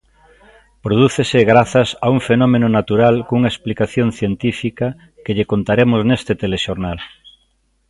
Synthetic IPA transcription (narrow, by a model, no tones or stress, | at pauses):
pɾoð̞uθesɪɣɾaθɐsauŋfenɔmẽnʊnat̪uɾalkouŋɐesplikaθjonθjent̪ifikɐ | keʎekont̪aɾemʊznest̪ɪt̪eleʃoɾnal